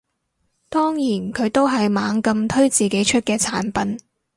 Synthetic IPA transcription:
t̪ɔː˥ŋjiː˨˩nkʰɵ˨˧ɥt̪o˥wɦɐ˨jmaː˨˧ŋkɐ˧mt̪ʰɵ˥ɥt͡siː˨ke˨˥jt͡ʃʰɵ˥t̚kɛː˧t͡sʰa̰ː˨˥npɐ˨˥n

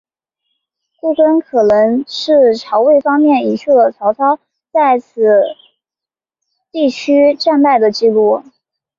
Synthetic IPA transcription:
ku˥˩kə˥nkʰɤ˨˩nɤ˧˥ŋʂɻ̩˥˩ʈ͡ʂʰɑ˧˥ʊwe˥˩ɪfɑ˥ŋmjɛ˥˩ni˨˥ɕʰu˥˩d̪ə˩t͡sʰɑ˧˥ʊt͡sʰɑ˥ʊ | t͡sa˥˩ɪt͡sʰɹ̩˨˩ | t̪i˥˩t͡ɕʰy˥ʈ͡ʂa˥˧npa˥˩ɪd̪ə˩t͡ɕi˥˧lu˥˩

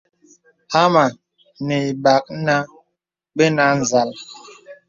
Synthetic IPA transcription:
ha˦ma˨ | ne˨i˨ɓa˨k̚na˦ | ɓe˦na˦n̩˨za˨˦l

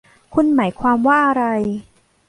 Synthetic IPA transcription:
kʰu˧nmaː˩˦jkʰwaː˧mwaː˥˩ʔa˧ɾa˧j

